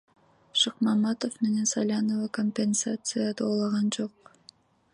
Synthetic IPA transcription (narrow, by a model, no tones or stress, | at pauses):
ʃɨqmɑmɑt̪ofmenensalʲanovɑkomʲpʲe̞nsat̪sɨjad̪olˠɑʁɑnd͡ʒoq̚